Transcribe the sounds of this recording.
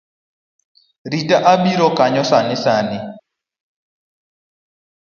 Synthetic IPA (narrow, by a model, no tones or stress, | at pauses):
ɾitaʔaɓiɾɔkaɲɔsanɪsanɪ